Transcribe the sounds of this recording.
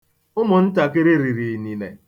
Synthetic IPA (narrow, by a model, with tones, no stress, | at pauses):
ʊ˦mʊ˨n̩˦ta˨kɪ˦ɾɪ˦ɾi˨ɾi˨ni˨nḛ˨